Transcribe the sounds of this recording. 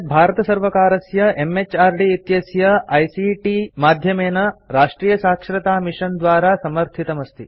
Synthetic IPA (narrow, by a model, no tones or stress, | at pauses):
bʱaːɾɐt̪ɐsɐɾʋɐkaːɾɐsjɐʔemet͡ʃaːɾɖiːt̪jɐsjɐɐjsiʈimaːd̪ʱjɐmeːnɐɾaːʂʈɾiːjɐsaːkʂɾɐt̪aːmiʂɐnd̪ʋaːɾaːsɐmɐɾt̪ʰit̪ɐmɐst̪ʰi